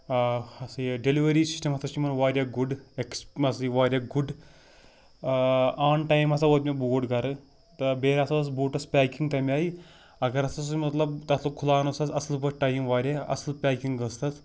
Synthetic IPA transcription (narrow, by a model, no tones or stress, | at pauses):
ɐsɨjɖeliʋɐɾiːsi̥sʈɐmɐsɐʃimɐnʋaːɾʲaːɡuɖeksɐsɨjʋaːɾʲjaːɡuɖ | aːnʈajmɐsaʋot̪mʲeboːʈɡɐɾɨ | t̪ɐbeːɾʲaːsɐɐs̬boːʈɐspʲaːkiŋɡt̪ɐmʲaːji | ɐɡɐɾɐsɐsɨmɐt̪lɐbt̪ɐt̪ʰlokʰulaːnosɐsɐslbɐʈajmʋaːɾʲaɐ̰slpʲaːkiŋɡɡɐst̪ɐs